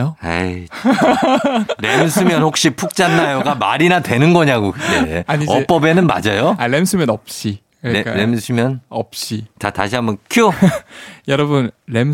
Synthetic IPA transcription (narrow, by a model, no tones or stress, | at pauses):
oa̰i | ɾemsʰɯmjʌnhok̚ɕ͈ipʰuk̚t͡ɕ͈anːajoɡamaɾinatwe̞nɯnɡʌɲaɡojeaɲiʌp͈ʌbe̞nɯnma̰d͡ʑajoaɾemsʰɯmjʌnʌp̚ɕ͈i | kk͈aɾemsʰɯmjʌnʌp̚ɕ͈itataɕʰiɦambʌnkʰjo | jʌɾʌbɯnɾem